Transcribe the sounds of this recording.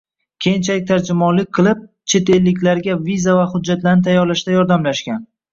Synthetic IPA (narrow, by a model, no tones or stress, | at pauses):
kʲʰe̞jɪnt͡ʃʰalɪk̚ʲt̪ʰaɾd͡ʒɪmɒnlɪk̚ʲqʰɨlˠɪp̚ | t͡ʃʰe̞t̪ʰe̞lːɪkʲlaɾɡʲavizavaχʊd͡ʒːat̪laɾnɪt̪ʰajɒɾlaʃd̪ajɒɾd̪amlaʃkʲan